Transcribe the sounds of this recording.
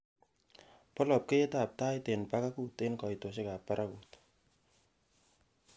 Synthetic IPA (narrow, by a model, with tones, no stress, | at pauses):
pɔ˦lɔ˨p̚ke˦ta˨p̚ta˦jte˨npa˦ka˦ku˦te˦nkɔ˨jto˨se˦ka˨pːa˦ɾʔakut